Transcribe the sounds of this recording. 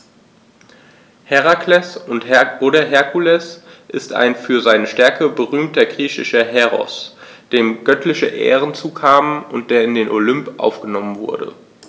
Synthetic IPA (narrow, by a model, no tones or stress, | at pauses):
hɛʁakʰlɛsʊnthɛoɾɐɦɛɐkʰulɛsʔɪsta̰ɪnfyːɐzaɪnəʃtɛɐkəbəʁyːmtɐɡʁiːçɪ̰ʃɐɦɛʁɔ̰sd̥eːmɡœtʰlɪçəʔɛ̰ːʁənt͡suːkʰaːmənʊnt̚d̥eːɐɪndeːnʔolʏmpʔa̰ʊfɡ̥ənɔmənvʊɐdə̰